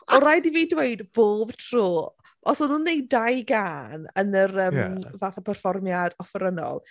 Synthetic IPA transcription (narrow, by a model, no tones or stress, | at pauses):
ɔɾajdiviːdwejdb̥oːb̥tʰr̥oː | ɔsɔnʊnːejdajɡaːnənərəːmvaːθapʰərfɔrmjadɔfəɾənɔ̰lˠ